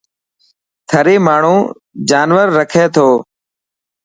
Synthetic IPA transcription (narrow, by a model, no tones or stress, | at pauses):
t̪ʰəɾeːmaːɳ̤ũː | d͡ʒaːnʋəɾːəkʰeːt̪ʰoː